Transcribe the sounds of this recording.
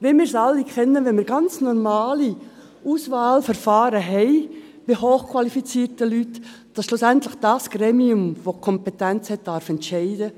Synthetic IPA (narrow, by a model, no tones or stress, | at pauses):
ʋeːmɪːɾsɑlːikʰɛnːəʋɛmɪːɾɡɑnt͡snɔɾmaːli | ʔuːsvaːlfɛɾfaːɾəɦɛɪ | b̥ɪɦoːχkʰwɑlifit͡siːtəlyt | d̥ɑsʃlusɛntlɪxd̥ɑsɡ̥ɾeːmiʊmvokʰɔmpɛtɛnt͡shɛt̚d̥ɑɾfɛntʃɛɪdə